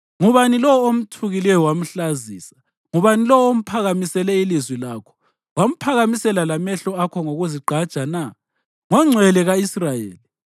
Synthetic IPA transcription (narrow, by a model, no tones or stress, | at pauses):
ŋuβanilɔwom̩tʰuɣilɛjɔwam̩ɬaziːsḁ | ŋuβanilɔwɔom̩pʰaɣamisɛlɛilizwilaːkʰɔ̥ | wam̩pʰaɣamisɛlalamɛɬɔakʰɔŋoɣuziɡ͡ǃʱad̥t͡ʃʼana | ŋɛŋ͡ǀʱwɛlɛɣaisrajḛːli